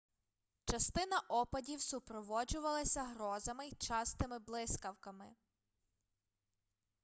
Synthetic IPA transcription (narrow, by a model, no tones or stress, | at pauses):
t͡ʃɐst̪ɪnɐʔɔpɐdʲiwsʊpɾɔʋɔd͡ʒʊʋɐlˠɐsʲɐɦɾɔzɐmɪjt͡ʃɑst̪ɪmɪblˠɪskɐwkɐmɪ